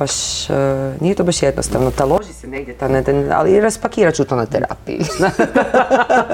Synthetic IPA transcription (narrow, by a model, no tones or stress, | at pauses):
b̥aʃ | nijet̪obaʃjed̪nʔost̪aʋnot̪alˠoʒiseneɡ̚dʲjet̪anɛd̪ana̰liɾaspakiːɾat͡ʃut̪onat̪eɾa̰ːpḭḭa